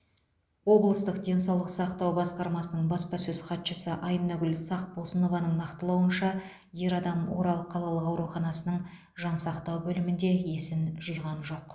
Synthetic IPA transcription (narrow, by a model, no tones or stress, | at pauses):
wo̞blˠəst̪əq̚d̪ʲe̞nsɑwlˠəqsɑqt̪ɑwbɑsqɑɾmɑsənəɴbɑspɑsɵz̥χɑt̪ʃəsəʔɑjmnɑɡʲʏlsɑqb̥olˠsəno̞vɑnəɴnɑqt̪əlˠɑwənʃɑ | je̞ɾɑd̪ɑmwo̞̰ɾɑlˠəqʰːɑlˠɑlˠəqɑwɾuχɑnɑsənəɴ | ʒɑnsɑqt̪ɑwbɵlɪmɪnd̪e̞je̞sɪnʒəjʁɑnʒo̞q